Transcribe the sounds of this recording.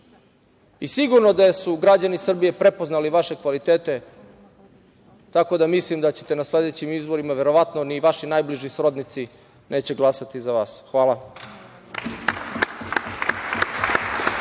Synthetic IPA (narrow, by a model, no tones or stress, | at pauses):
isiɡuɾno̞d̪asuɡɾad͡ʑanisr̩bije̞pɾe̞po̞znaliʋaʃe̞kʋalit̪e̞ːt̪e̞ | t̪ako̞d̪amislimd̪at͡ɕet̪e̞nasle̞d̪et͡ɕimizbo̞ɾimaʋe̞ɾo̞ʋat̪no̞niʋaʃinajbliʒisɾod̪nit̪si | nʔe̞ːt͡ɕe̞ɡlˠasat̪izaʋaːsxʋaːlˠa